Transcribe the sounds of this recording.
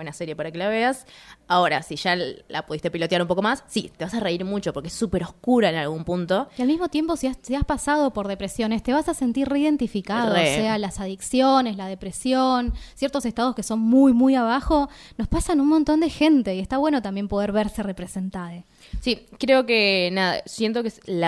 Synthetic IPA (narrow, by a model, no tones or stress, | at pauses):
wenaseɾje̞paɾakelaβeasao̞ɾasiʃala̰puðist̪e̞pilo̞t̪jaɾumpo̞ko̞masːit̪eβasareiɾmut͡ʃopoɾkeesːupe̞ɾo̞hkuɾaenalɣumpunt̪o̞ialmizmo̞t̪je̞mpo̞siasiaspasað̞o̞po̞ɾðe̞pɾesjo̞ne̞st̪e̞β̞asase̞nt̪iɾreiðe̞nt̪ifikaðroesealasaðiksjone̞slað̞e̞pɾesjonsje̞ɾt̪ose̞st̪að̞oske̞so̞nmujmujaβaxo̞no̞spasanunmo̞nt̪o̞nd̪exe̞nt̪eie̞st̪aβweno̞t̪ambjempo̞ð̞e̞ɾβ̞e̞ɾse̞re̞pɾe̞se̞nt̪aðe | sikɾeo̞kenaða̰sjent̪o̞kesla